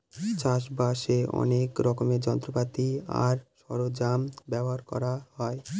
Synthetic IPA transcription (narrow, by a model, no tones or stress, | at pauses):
t͡ɕaʃ̬baʃeɔ̰nekɾɔkomeɾd͡ʑɔnt̪ɾopat̪ia̰ɾʃɔɾod͡ʑambɛboɦaɾkɔ̰ɾahɔe